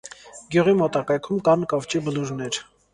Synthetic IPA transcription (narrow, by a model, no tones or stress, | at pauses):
ɡjuʁimɔt̪ɑkɑjkʰumkɑnkɑvt͡ʃibəluɾnɛɾ